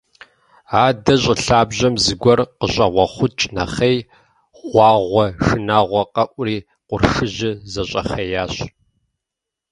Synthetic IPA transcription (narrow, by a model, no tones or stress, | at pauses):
aːdɐɕʼɪɬaːbʑɐmzɨɡʷɔrqəɕʼɐʁʷɔχʷʊt͡ʃʼnɐχej | ʁʷɑːʁʷɔʂɨnaːʁʷɔqʼɐʔʷriː | qʷʊrʂɨʑɪzɐɕʼɐχɐjaːɕ